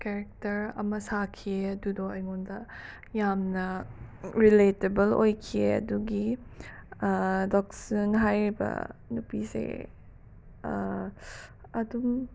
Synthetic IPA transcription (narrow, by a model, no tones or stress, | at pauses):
kɛɾɛk̚tɐɾɐ̰mɐsakʰieɐdudoɐjŋundɐ | jamnɐ | ɾiletebɐlojkʰieɐ̰duɡi | dɔksinɦajɾibɐ̰nupisḛ | ɐdum